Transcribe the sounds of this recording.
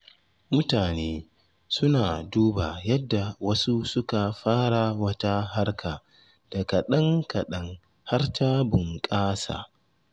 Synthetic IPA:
mʊ˦taː˨neː˦ | sʊ˦naː˨duː˦ba˨jɐ˦dːa˨wɐ˦su˦sʊ˦ka˨ɸaː˦ɽa˨wɐ˦ta˦ɦa˦ɽkʰa˨ | d̥a˨kɐ˨ɗɐ˦ŋkɐ˨ɗɐ˦ŋ | ha˦rtaː˦bʊ˨ŋkʼaː˦sa̰ː˨

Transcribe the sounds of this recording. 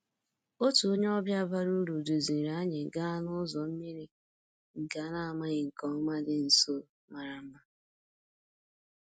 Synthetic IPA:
o˦tu˨o˦ɲe˦ɔ˦bja˦˨ba˦ɾu˦ɾu˨du˨zi˨ɾa˨˦ɲe˨ɡa˦a˦nʊ˦zɔ˨m̩˦mi˦ɾi˦ | ŋ̩˨ka˨na˦a˨ma˦ɲɪ˨ŋ̩˨kɔ˨m̩˦ma˦dɪ˦n̩˨so˦ | ma˨ɾa˨m̩˦ma˦

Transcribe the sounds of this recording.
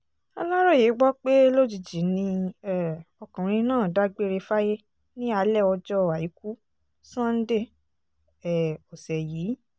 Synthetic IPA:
a̰˧la˦ɾɔ˦˨je˨˦ɡ͡bɔ˦k͡pe˦lo˦˨d͡ʒi˧˨d͡ʒi˨˦nĩ˧ɛ˨ɔ˧kã˨ɾ̃ĩ˧nãː˦˨da˨˦ɡ͡be˦˧ɾe˧fa˦je˦ | nĩ˦a˧˦lɛ˦˨ɔ˧d͡ʒɔ˦˨wa˨ji˨˦ku˦ | sã˦n̩˦de˦˨ | ɛ˨ɔ˨sɛ˨jiː˨˦

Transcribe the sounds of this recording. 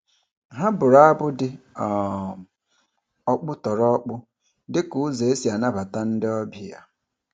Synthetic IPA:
ɦa˦bʊ˨ɾa˦bʊ˦dɪ˦˨ | ɔ˦k͡pʊ˦tɔ˨ɾɔ˦k͡pʊ˦ | dɪ˦ku˨˦ze˨e˦si˨a˨na˦ba˨ta˦n̩˦dɪ˦ɔ˦bi˦ja̰˦

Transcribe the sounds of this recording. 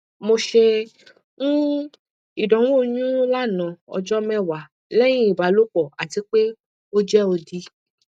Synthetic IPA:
mo˧ʃe˧ | ŋũ˦ | i˦˨dɔ̃˨˦wo˦˨ɲũ˦la˦˨nã˨ɔ̰˧d͡ʒɔ˦mɛ̃˦˨wa˨ | lɛ˦j̃ĩ˦i˨ba˨˦lo˦k͡pɔ˨a˨ti˨˦k͡pe˦ | o˦d͡ʒɛ˦o˧di˧

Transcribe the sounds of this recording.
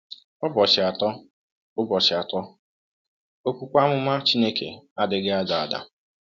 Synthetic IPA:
ɔ˦bɔ˨t͡ʃɪ˨a˨tɔ˦ | ʊ˦bɔ˨t͡ʃɪ˨a˨tɔ˦ | o˦kʷu˦kʷa˦mʊ˦ma˦t͡ʃi˦ne˦kḛ˨a˦dɪ˨ɡɪ˦a˦da˨a˨da̰˨

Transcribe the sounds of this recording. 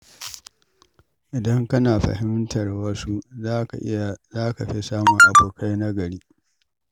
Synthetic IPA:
ʔɪ˨dɐ˦ŋkɐ˦naː˨ɸɐ̰˨hɪ˦mtɐ˨rwɐ˦su˦za˦ka̰˨ʔɪ̰˦ja˨zaː˦ka˨ɸe˦saː˦mʊ˨ŋʔa˨boː˨kʰa˦jna˦ɡɐ˨ɽiː˦

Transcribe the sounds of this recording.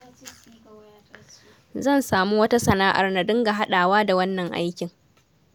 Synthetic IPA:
zɐ˦˨nsaː˨mu˦wɐ˦ta˦sɐ˨naː˦ʔa̰˨rna˨dɪ˦ŋɡa˨ɦa˦ɗaː˨waː˦da˨wɐ˦nːɐ˨ŋʔa̰˦jkʲɪ˨ŋ

